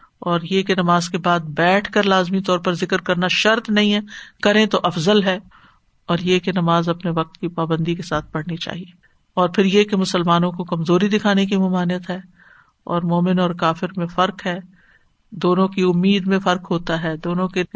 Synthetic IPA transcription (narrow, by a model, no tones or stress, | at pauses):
ɔːɾjekenɐmaːzkebaːd̪̚bɛːʈʰkɐɾlaːzmit̪ɔːɾpɐɾzɪkəɾkɐɾnaʃɐɾt̪nɐɦĩɦɛːkɐɾẽt̪oʔɐfzəlɦɛː | ɔːɾjekenɐmaːzɐpneʋɐq̚t̪kipaːbə̃nd̪ikesaːt̪̚ʰpɐɽnit͡ʃa̰ːɦieː | ɔːɾpʰɪɾjekemʊsəlmaːnõkokɐmzoːɾid̪ɪkʰaːnek̬imʊmaːnijət̪ɦɛː | ɔ̰ːɾmoːmɪnɔːɾkaːfɪɾmẽfɐɾkɦɛː | d̪oːnõkiʊmːiːd̪mẽfɐɾkɦoːt̪aɦɛːd̪oːnõke